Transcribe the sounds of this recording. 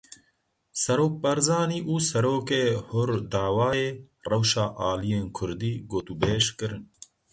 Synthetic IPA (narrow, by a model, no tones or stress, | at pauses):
sɐɾoːk̚bɐɾzɑːniːʔuːsɛɾoːkeːhʊɾd̪aːwaːjeː | rɐwʃaːʔaːlijeːnkʰʊɾd̪iːɡoːt̪ubeːʃkɨɾɨn